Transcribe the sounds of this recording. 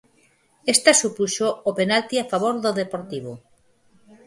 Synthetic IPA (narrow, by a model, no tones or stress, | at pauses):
est̪asupuʃoopenalt̪iafaβoɾðoðepoɾt̪iβ̞o